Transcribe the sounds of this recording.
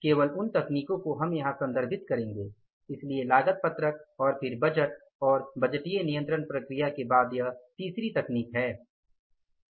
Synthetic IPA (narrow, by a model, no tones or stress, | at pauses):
keːʋəlʊnt̪ɐkniːkõkoɦɐmjɐɦãsɐ̃nd̪əɾbʱɪt̪kɐɾẽːŋɡeː | ɪslielaːɡət̪̚pɐt̪ɾək̚ɔːɾpʰɪɾbɐd͡ʒəʈ | ɔːɾbɐd͡ʒʈijenijə̃nt̪ɾəɳpɾɐkɾɪjakebaːd̪jɐɦt̪iːsɾit̪ɐkniːkɦɛː